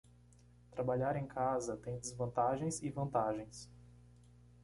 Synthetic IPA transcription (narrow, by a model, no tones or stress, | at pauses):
t̪ɾabaʎaɾẽj̃kʰazɐt̪ẽj̃d̪ɪzvɐ̃nt̪aʒẽj̃sɪvɐ̃nt̪aʒẽj̃s